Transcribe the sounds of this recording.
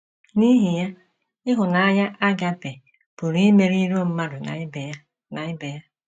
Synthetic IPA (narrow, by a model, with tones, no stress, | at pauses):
ni˦ɦi˨ja˦ | ɪ˦ɦʊ˨na˨a˦ɲa˦ʔa˦ɡa˦be˨ | pu˨ɾme˦ɾi˦ɾo˦˨m̩˦ma˦ɾʊ˨na̰˨˦be˨˦ | na˨ɪ˦be˨ja˦